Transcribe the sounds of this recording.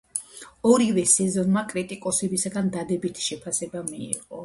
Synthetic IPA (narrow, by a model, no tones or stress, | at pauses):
ɔɾivɛsɛzɔnmakʼɾit̪ʼikʼɔsɛbisaɡand̪ad̪ɛbit̪ʰi̥ʃɛpʰasɛbamiḭqʼɔ